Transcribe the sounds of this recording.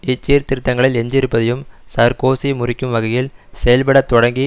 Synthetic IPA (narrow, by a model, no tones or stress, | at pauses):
ɪt͡ʃːiːɾt̪ɪɾɯt̪ːɐŋɡɐɭɪlɛɲd͡ʒɪɾɯpːɐðɐjɯmsɐɾkoːsimʊrɪkːɯmʋɐɣɐjɪlsɛjɐlpɐɽɐt̪ːɔɽɐŋɡi